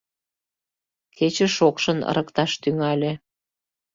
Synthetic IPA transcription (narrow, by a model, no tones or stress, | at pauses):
ket͡ɕĕʃokʃənə̰ɾʔəkt̪ɑʃt̪yŋɑlʲe